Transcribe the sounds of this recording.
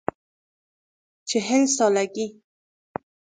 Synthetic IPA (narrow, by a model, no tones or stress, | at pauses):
t͡ʃeɦɪlsɔlaɡi